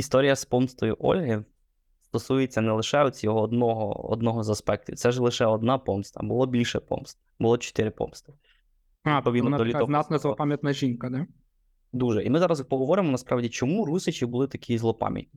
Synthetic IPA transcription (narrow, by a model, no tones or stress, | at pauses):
ist̪ɔɾʲijɐspɔmst̪ɔjʊʔɔ̰lʲɦɪ | st̪ɔsujet͡sʲːɐnɛlˠɪʃɛɔt͡sʲjɔɦɔːd̪nɔɦɔ̰ɔ̰d̪nɔɦɔzɐspɛk̚t̪ʲʊ̰t̪sɛʒlˠɪʃɛɔd̪nɑpɔmst̪ɐ̰bʊlˠɔbʲilʲʃɛpɔ̰mst̪ | bʊlˠɔt͡ʃɔ̥t̪ɪɾɪpɔ̰mst̪ɪ | apɔʋʲid̪nd̪ɔlʲiɔznat̪nɐzlˠɔpamʲjɐt̪nɐʒinkɐd̪ɛ | d̪uʒɛʔimɪzɑɾɐzpɔɦɔʋɔɾɪmɔnɐspɾɑʋdʲit͡ʃɔmuɾusɪt͡ʃɪbʊlˠɪt̪ɐkʲizlˠɔpɑ̰mʲjɐ̰t̚ʲnʲi